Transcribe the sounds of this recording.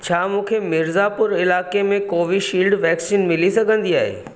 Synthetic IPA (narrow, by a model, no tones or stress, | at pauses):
t͡ɕʰaːmũːkʰemɪɾzapʊɾɪlaːkemẽkoːʋiʃiːlɖʋɛːksiːnmɪlisɐɡʱə̃nd̪iaːɦḛː